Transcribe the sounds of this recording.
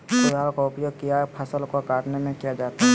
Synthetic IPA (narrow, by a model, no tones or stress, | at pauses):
ʊdaːlkoʊpjoːɡ̚kijapʰəsəlkokaːʈnemẽkijad͡ʒaːt̪aɦɛ